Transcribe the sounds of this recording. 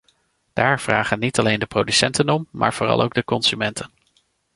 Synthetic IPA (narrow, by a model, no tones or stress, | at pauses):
d̥aːɹv̥raːχənːitɑlejndəprowdysɛ̰ntənɔmːa̰ːɹv̥ʊːrɑ̰lˠo̰wɡ̚dəkɔnsymɛntʰən